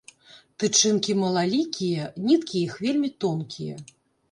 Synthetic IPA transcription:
t̪ɨt͡ʂɨnkʲimɐlˠalʲikʲʰijɛnʲit̪kʲijɛixvʲelʲmʲit̪ɔnkʲijɐ̰

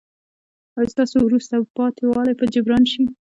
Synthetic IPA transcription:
ajst̪ɑsowɾust̪apɑt̪ʰewɑlajpəd͡ʒabɾɑnʃi

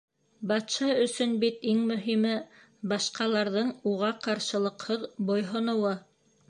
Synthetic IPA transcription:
bɑt̪ʃɑɵ̆sɵnbit̪iŋmɵ̆ɦimɘ | bɑʃqɑlˠɑɾðɤɴuʁɑqɑɾʃɤ̆lˠɤ̆qhɤðbŏjɦŏnɤ̆wɤ

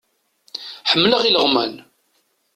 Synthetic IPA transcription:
ħəmːləʁiləʁmæn

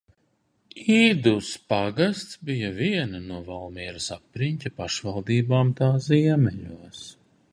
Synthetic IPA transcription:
iːd̪uspaɡast̪sbijaviɛnanuɔvalˠmiɛɾasapːɾiɲcʲapaʃvalˠd̪iːbaːmt̪aːsziɛmɛʎuɔs

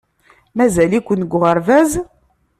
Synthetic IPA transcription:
mæzælikʷːənɡʷʁəɾvæz

